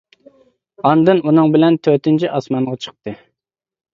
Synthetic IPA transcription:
ɑnd̪ɨnʔunɨŋbɪlɛnt̪ʰøt̪ɪnt͡ʃʰiʔɑsmɑɴʁɑt͡ʃʰə̥q̚t̪ɨ

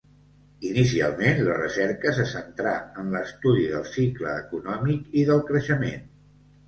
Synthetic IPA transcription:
inis̬ia̰lˠmenlə̰rə̰sɛɾkəs̬əsənt̪ɾaənləst̪uðiðəlˠsiklə̰ːkunɔmikiðəlˠkɾəʃəmḛn

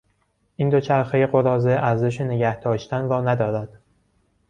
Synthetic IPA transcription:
ʔiːnd̪o̞t͡ʃʰæɾxejeɢo̞ɾɒːzeʔæɾzeʃ̬eneɟæhd̪ɒːʃt̪ʰænɾɒːnæd̪ɒːɾæd̪̥

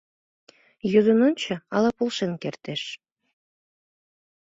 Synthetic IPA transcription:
jød̪ənonʲt͡ɕəɑlɑpolʃenkert̪eʃ

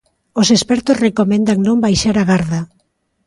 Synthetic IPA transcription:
osespɛɾt̪osrekomẽnd̪aŋnõmbajʃaɾaɣaɾða

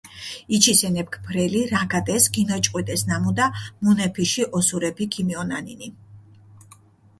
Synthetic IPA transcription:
it͡ʃʰisɛnɛp̚kʰpʰɾɛliɾaɡad̪ɛsɡinɔt͡ʃʼqʼwid̪ʼɛsnamud̪amunɛpʰiʃiʔɔsuɾɛpʰikʰimiɔna̰nini

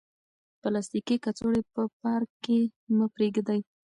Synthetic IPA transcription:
pəlast̪ikikat͡soɽepəpɑɾkːeməpɾeɡd̪aj

